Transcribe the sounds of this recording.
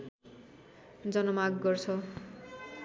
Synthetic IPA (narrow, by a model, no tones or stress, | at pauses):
d͡zʌnʌmakɡʌrt͡sʰʌ